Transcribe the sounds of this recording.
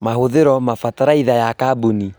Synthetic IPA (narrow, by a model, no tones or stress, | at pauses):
mahoðeɾɔmafataɾaiðajakabuni